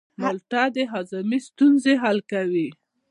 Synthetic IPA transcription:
mʊlt̪ad̪əɦazamist̪unzeɦalkawi

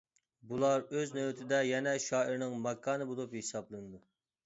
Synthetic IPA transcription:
bulˠɑɾøznøwɪt̪ʰɪd̪ɛjɛnɛʃɑːʔiɾnɨŋmɑkʰːɑːnɨbolˠuphesɑblˠɨnɨd̪u

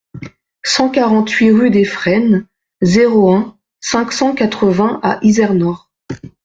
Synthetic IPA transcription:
sɑ̃kaʁɑ̃t̪ɥiʁyd̪efχɛn | zeʁoɛ̃ | sɛ̃ksɑ̃kat̪χəvɛ̃aʔizɛʁnɔʁ

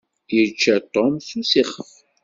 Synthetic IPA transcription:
əɾt͡ʃːæt̪ˤɔmsusiχəf

